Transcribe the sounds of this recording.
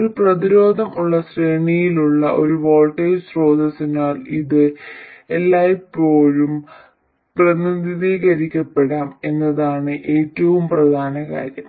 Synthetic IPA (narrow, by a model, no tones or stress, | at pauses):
oɾuprɐðiɾo̞ːd̪ʱɐmuɭːɐsreːɳijiluɭːɐʔo̞ɾuʋo̞ːlʈɐjsro̞ːd̪ʱɐsinaːliðɨelːaːjpo̞ːɻum | prɐnɐðiðiːɣɐɾikʲːɐpːe̞ɽaːme̞nːɐðaːɳɨʔe̞ːtːɐʋumprɐd̪ʱaːnɐka̰ːɾjɐm